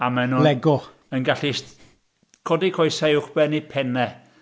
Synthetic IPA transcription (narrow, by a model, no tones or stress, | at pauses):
amɛnʊlɛɡʊ | ənɡaɬist | kʰɔdikʰɔjsaʊwχb̥ɛnipʰɛnɛ